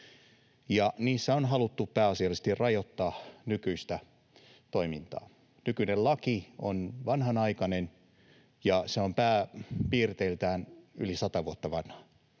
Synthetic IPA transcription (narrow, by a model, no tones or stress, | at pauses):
jɑniːsːæonɦɑlut̪ːupæːɑsiɑlist̪irrɑjot̪ːɑːnykyist̪æ | t̪oimint̪ɑ̰ː | nykynellɑkionʋɑnhɑnɑikɑnen | jɑseompæːpiːrt̪eilt̪æːnylisɑt̪ɑʋuot̪ːɑʋɑnhɑ̥